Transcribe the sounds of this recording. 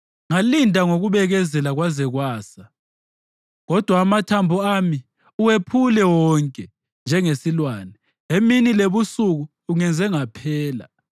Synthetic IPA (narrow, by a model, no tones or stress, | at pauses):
ŋalindʱaŋoɣuβɛɣɛzɛlaɣwazɛɣwaːsa | ɣɔd̥ʱwaːmatʰambʱuami | uwepʰulɛwɔŋkʼɛ | nd͡ʒʱɛŋesilwaːnɛ | eminileβusuɣuːŋɛnd͡zʱɛŋapʰɛːla̰